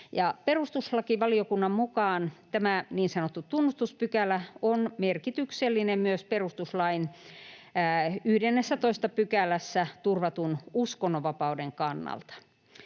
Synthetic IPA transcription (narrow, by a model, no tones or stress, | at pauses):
jɑperust̪uslɑkiʋɑliokunːɑmmukɑːnt̪æmæniːnsɑnot̪ːut̪unːust̪uspykælæonmerkit̪ykselːinemmyøsperust̪uslɑinː | yhdenːesːæt̪oist̪ɑpykælæsːæt̪urʋɑt̪unuskonːoʋɑpɑudeŋkɑnːɑ̰lt̪ɑ̥